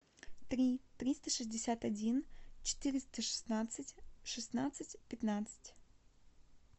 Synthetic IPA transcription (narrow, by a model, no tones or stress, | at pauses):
t̪ɾʲit̪ɾʲist̪əʂɨzʲdʲɪsʲat̪ɐdʲint͡ɕɪ̥t̪ɨɾʲɪst̪əʂɨ̥snat̪sɨtʲʂɨsnat̪sɨtʲpʲɪt̪nat̪sɨ̥tʲ